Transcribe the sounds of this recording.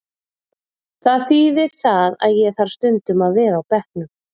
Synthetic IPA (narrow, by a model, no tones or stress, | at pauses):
θaðθiːðɪɾ̥θaða̰ðjɛθaɾ̥st̪ʏnt̪ʏmaðvɛːɾaːwpɛhknʏm